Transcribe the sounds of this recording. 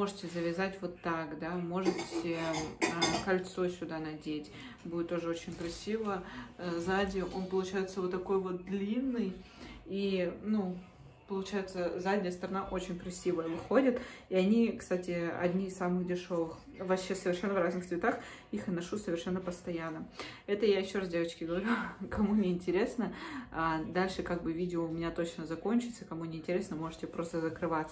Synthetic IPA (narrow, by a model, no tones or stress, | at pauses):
mo̞ʐɨtʲɪzəvʲɪzatʲvo̞t̪ːakd̪amo̞ʐɨtʲɪəkɐlʲt̪so̞sʲʊd̪anɐdʲetʲ | budʲɪt̪ːo̞ʐɨo̞t͡ɕɪnʲkɾɐsʲivəzadʲɪʔo̞npəlˠʊt͡ɕæjɪt̪səvot̪ːɐko̞jvo̞t̪̚d̪lʲinːɨjinu | pəlˠʊt͡ɕæjɪt̪səzadʲnʲɪjəst̪əɾɐnaʔo̞t͡ɕɪnʲkɾɐsʲivəjəvɨxodʲət̪iɐnʲikst̪atʲɪɐ̰dʲnʲiɪsamɨxdʲɪʂo̞vɨx | vɐɕesəvʲɪrʂɛnːəvraznɨxsvʲɪt̪ax | ixɐt̪nɐʂusəvʲɪrʂɛnːəpəst̪ɐjanːəɛt̪əjajɪɕːo̞ɾasdʲevət͡ɕkʲɪɡəvɐɾʲukɐmunʲɪɪnʲtʲɪɾʲe̞snəad̪alʲʂɨkaɡ̚bɨvʲidʲɪəʊmʲɪnʲat̪o̞t͡ɕnəzɐko̞nʲt͡ɕɪt̪səkɐmunʲɪɪnʲtʲɪɾʲe̞snəmo̞ʐɨtʲɪpɾo̞st̪əzəkɾɨvat̪sə̥